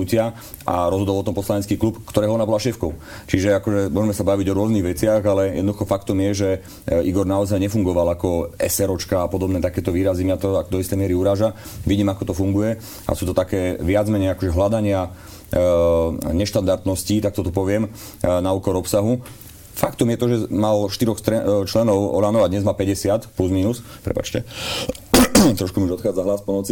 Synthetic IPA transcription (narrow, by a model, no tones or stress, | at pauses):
ucɪa | ʔa̰ɾɔzɦɔd̪ɔlɔt̪ɔmpɔslaɲɛt͡skiːklupkt̪ɔɾɛːɦɔɔnabɔlaʃɛːfkɔʊ | t͡ʃiʒɛakɔʒɛmʊɔʒɛmɛsabaʋiɟɔɾʊɔzniɣʋɛt͡sɪaɣalɛjɛ̰d̪nd̪uxɔfakt̪ɔmjɛʒɛ | iɡɔɾnaɔzajɲɛfuŋɡɔʋalakɔɛsɛɾɔt͡ʃkaːpɔd̪ɔbnɛːt̪akɛːt̪ɔʋiːɾazimat̪ɔakd̪ɔist̪ɛjmɪɛɾiuɾaːʒaʋiɟiːmakɔt̪ɔfuŋɡujɛ | ʔa̰suːt̪ɔt̪akɛːʋɪad͡zmɛɲɛjakɔʒɛɦlad̪aɲɪa | ɲɛʃt̪and̪aɾt̪nɔsciːt̪ak̚t̪ɔt̪ɔpɔʋɪɛm | nauːkɔɾɔpsaɦu | fakt̪ɔmjɛt̪ɔʒɛmalʃt̪iɾɔxst̪ɾɛt͡ʃlɛnɔʊɔ̰lanɔʊad̪ɲɛzmaːpɛɟɛsɪat̪pluzmiːnuspɾɛ̰pa̰t͡ʃcɛ | t̪ɾɔʃkumiuʒɔt̪xaːd͡zaɦlaːspɔnɔt͡si